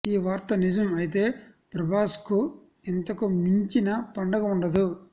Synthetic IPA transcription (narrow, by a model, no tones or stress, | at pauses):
iːʋaːɾt̪ɐnid͡ʒɐmɐjit̪e̞ː | pɾɐbʱaːsku | int̪ɐkumiɲt͡ʃinɐpɐɳɖɐɡɐuɳɖɐd̪u